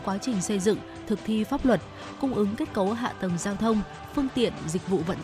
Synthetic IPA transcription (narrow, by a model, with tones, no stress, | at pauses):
kwaː˨˦t͡ɕï˨˩ŋ̟sə˧jzɨ̰˧˨ŋ | t̪ʰɨ˨˩k̚t̪ʰi˧faː˦˥p̚lwə˨˩t̚ | kʊ˧ŋ͡mʔɨ˨˦ŋke˦˥t̚kə˨˦wɦa̰ː˧˨t̪ə˨˩mzaː˧wt̪ʰə˧wŋ͡m | fɨ˧əŋt̪ḭ˧˨ənzi˨˩k̟̚vṵ˧˨və̰˧˨n